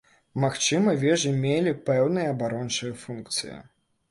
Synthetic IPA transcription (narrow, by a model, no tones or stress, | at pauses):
maxt͡ʂɨmɐvʲɛʐɨmʲelʲipɛwnɨjɐːbaɾɔnt͡ʂɨjɐfunkt̪sɨ̰jḭ